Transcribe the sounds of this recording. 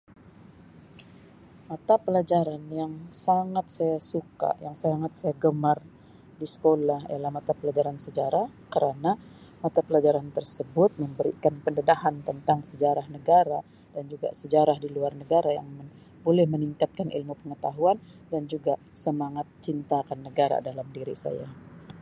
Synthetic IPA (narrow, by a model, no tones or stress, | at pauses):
mat̪apəlad͡ʒaɾanjaŋsaŋat̪̚sajasuka̰ʔjaŋsaŋat̪̚sajaɡəmar | disə̥kolaɦḭalahmat̪apəlad͡ʒaɾansəd͡ʒaɾahkəɾana | mat̪apəlad͡ʒaɾant̪ərsəbʊt̪̚məmbəɾḭkanpəndədahant̪ənt̪aŋsəd͡ʒaɾahnəɡaɾa | d̥and͡ʒuɡa̰səd͡ʒaɾahdiluarnəɡaɾaja̰ŋm | bolɛhməniŋkat̪̚kanʔḭlmupəŋət̪aɦuan | dand͡ʒuɡa | səmaŋat̪̚t͡ʃint̪akanːəɡaɾa̰dalamdiɾḭsa̰ja̰